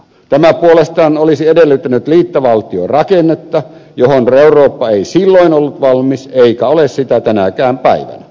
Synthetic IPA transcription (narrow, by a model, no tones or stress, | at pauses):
t̪æmæpuolest̪ɑːnolisiedelːyt̪ːænyt̪liːt̪ːɑʋɑlt̪io̰rɑkenːet̪ːɑjohonreurˑoːpːɑeisilːoinolːut̪ʋɑlmiseikæolessit̪æt̪ænækæːmpæ̰iʋæ̰næ